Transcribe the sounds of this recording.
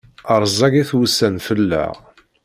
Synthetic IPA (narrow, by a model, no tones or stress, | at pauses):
əɾˤzˤɑɡiθwusːænfəlːæ̰ʁ